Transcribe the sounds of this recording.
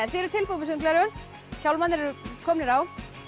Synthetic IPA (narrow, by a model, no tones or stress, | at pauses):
ɛfɪːɾʏɾt̪ʰɪlpomɪs̬ʏnklɛɾʏɾ | çawlmanːɪɾɛɾʏkʰɔːmnɪɾaw